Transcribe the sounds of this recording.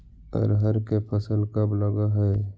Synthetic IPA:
ə̰ɾɦəɾkepʰəsəlkəbləɡaɦɛ

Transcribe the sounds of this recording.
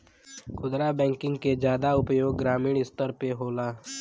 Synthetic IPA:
kʰʊd̪ɾabɛ̃ːŋkɪ̃ŋɡked͡ʒjaːd̪aʊpjoːɡːɾaːmiːɽ̃ɪst̪əɾpeɦoːlaː

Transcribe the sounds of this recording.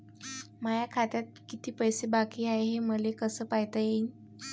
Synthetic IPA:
majakʰat̪jat̪̚kit̪iːpəjsebakiːajɦeməlekəsəːpajt̪əje

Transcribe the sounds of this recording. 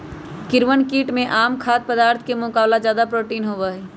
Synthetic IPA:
kɪɾʋənkiːʈmẽʔaːmkʰaːt̪̚pəd̪aːɾt̪ʰkemʊkaːwlad͡ʒjaːd̪apɾoːʈiːnɦoːʋəːɦi

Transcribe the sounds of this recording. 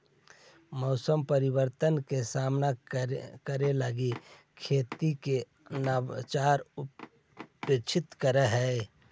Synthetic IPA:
mɔːsəmpəɾɪwəɾt̪ənkesaːmnakəɾeləɡi | kʰeːt̪ike | naːbt͡ʃaːɾʊ | peːt͡ʃʰɪt̪kəɾəɦɛe

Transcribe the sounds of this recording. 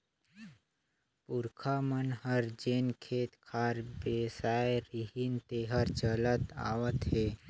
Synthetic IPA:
puɾkʰamənhəɾd͡ʒeːnkʰeːt̪kʰaːɾbesajeɾiɦint̪eɦəɾt͡ʃələt̪a̰ʋət̪ɦe

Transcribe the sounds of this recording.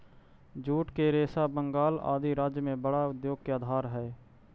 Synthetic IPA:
d͡ʒuːʈkeɾeːsabəŋɡaːla̰ːd̪iɾaːd͡ʒjmẽbəɽaʊd̪joːɡ̚keaːd̪ʱaːɾɦɛː

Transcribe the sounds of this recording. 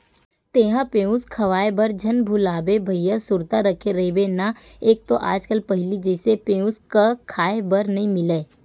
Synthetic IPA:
t̪eːɦãpeːʊ̃skʰɐʋaːebɐɾd͡ʒʱɐnbʱʊlaːbebʱɐijasʊɾt̪aɾɐkʰeɾɐebena | eːk̚t̪oʔa̰ːd͡ʒkəlpɐɦɪlid͡ʒɛːsepẽːʊ̃skakʰaːebɐɾnɐɦĩmɪleː

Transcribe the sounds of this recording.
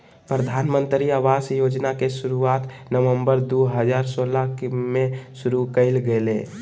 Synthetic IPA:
pɾəd̪ʱaːnmə̃nt̪ɾiaʋaːsjoːd͡ʒnakesʊɾuaːt̪ | nəʋəmbəɾd̪uɦəd͡ʒaːɾsoːlakmẽʃʊɾukəɪlɡəlḛː

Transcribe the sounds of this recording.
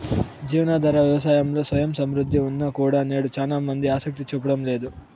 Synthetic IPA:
d͡ʒiːʋɐnaːd̪ʱɐɾɐʋjɐʋɐsaːjɐmlo̞ːsʋɐjɐmsɐmɾud̪ʱːiunːakuːɽaːne̞ːɽut͡ʃaːlaːmɐnd̪iaːsɐk̚t̪it͡ʃup̬ːɐɽɐmle̞ːd̪u

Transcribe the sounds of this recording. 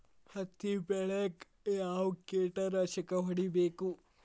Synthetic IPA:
hɐt̪ːibɛɭek | jaːwukːeːʈɐɾɐʃɐkɐɦɐɽibeːku

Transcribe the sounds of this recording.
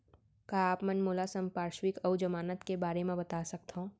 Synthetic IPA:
kaaːpmɛnmoːlasə̃mpaːɾʃwɪkɐwd͡ʒɐmaːnət̪kebaːɾemẽbɐt̪aːsɐk̚t̪ɦõ

